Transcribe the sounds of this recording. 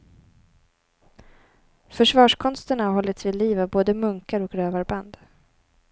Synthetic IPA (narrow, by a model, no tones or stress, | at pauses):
fœʂvɑːʂkʰɔnst̪əɳaɦɔlːɪt̪svɪliːvavboːd̪əmɵŋkaɾɔkɾøːvaɾband̪